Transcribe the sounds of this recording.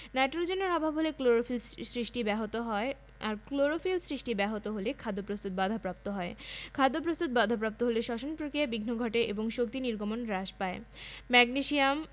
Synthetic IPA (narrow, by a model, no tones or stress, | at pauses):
naʈɾod͡ʑenoɾɔbʱabʱɦolekloɾofilsɾiʃʈibɛɦot̪oɦɔe | aɾkloɾofilsɾiʃʈibɛɦot̪oɦolekʰad̪ːopɾost̪ut̪̚bad̪ʱapɾap̚t̪oɦɔekʰad̪ːop̬ɾost̪ut̪̚bad̪ʱapɾap̚t̪oɦoleʃɔʃonpɾokɾijabiɡʱnoɡʱɔʈeʔeboŋʃok̚t̪iniɾɡʱomonɾaʃpaemɛɡniʃiam